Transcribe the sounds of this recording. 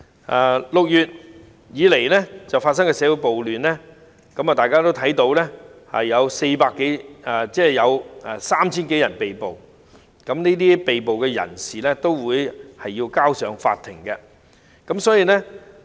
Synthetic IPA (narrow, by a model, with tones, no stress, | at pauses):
ʔaː˨˧lʊ˨k̚jyː˨t̚ | jiː˨˧le˨˩jlɛ˥t͡sɐ˨wfaː˧t̚s̬ɐ˥ŋkɛː˧sɛː˨˥wu˨˥jpo˨wlyː˨nlɛ˥ | kɐ˨˥mɐː˨˩t̪aː˨jkaː˥t̪o˥wt̪ʰɐ˨˥jt̪o˨˥wlɛː˥ | ɐ̰˨jɐ˨˧wse˧jpaː˧kːe˨˥ɛ˨t͡sɛː˥˩jɐ˨˧wɛ˨saː˥mt͡sʰiː˥nke˨˥jɐ˨˩npe˨jpo˨w | kɐ˨˥mneː˥t̪iː˥pe˨jpo˨wkɛː˧jɐ̰˨˩nsiː˨˩lɛ˥t̪o˥wwuː˨˧jhɐ˨jːiː˧wkaː˥wsœː˨˧ŋfa̰ː˧t̪ʰːɪ˨˩ŋkɛ˧ | kɐ˨˥msɔː˨˥jiː˨˧lɛ˥